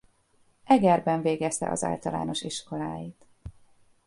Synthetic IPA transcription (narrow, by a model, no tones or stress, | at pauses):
ʔɛɡɛrbɛɱveːɡɛst̪ɛ̰ʔɒ̰za̰ːlt̪ɒla̰ːno̞ʃiʃko̞laːjit̪